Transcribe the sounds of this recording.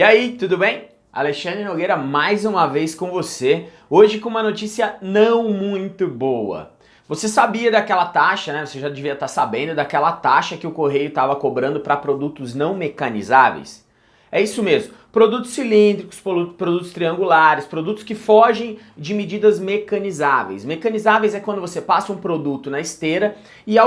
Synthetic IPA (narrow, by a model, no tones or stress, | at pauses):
iait̪ud̪ʊbẽj̃ | a̰leʃɐ̃nd̪ɾɪnoɡejɾɐmajzũmɐvejskõvose | oʒɪkõũmɐnot͡ʃisiɐnɐ̃w̃mũj̃t̪ʊbowɐ̰ | vosesabiɐd̪akɛlɐt̪aʃɐnɛvoseʒad͡ʒɪviɐt̪aɾsabẽnd̪ʊd̪akɛlɐt̪aʃɐkɪʊkoɦejʊt̪avɐkobɾɐ̃nd̪ʊpɾɐpɾod̪ut̪ʊznɐ̃w̃mekɐnḭzavḛjs | ɛisʊmezmʊpɾod̪ut̪ʊ̥sːilĩnd̪ɾikʊ̥spɾopɾod̪ut̪ʊ̥st̪ɾiɐ̃ŋɡulaɾɪspɾod̪ut̪ʊ̥skɪfɔʒẽj̃ | d͡ʒɪmed͡ʒid̪ɐzmekɐ̃nizavḛjsmekɐ̃nizavejzɛkwɐ̃nd̪ʊvosepasɐũpɾod̪ut̪ʊnɐɪst̪eɾɐ | ɪa